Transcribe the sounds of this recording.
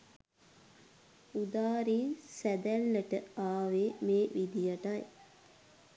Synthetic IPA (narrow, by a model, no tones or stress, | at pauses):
ud̪aːɾiːnsæd̪ælːəʈəaːʋeːmeːʋid̪ijaʈaj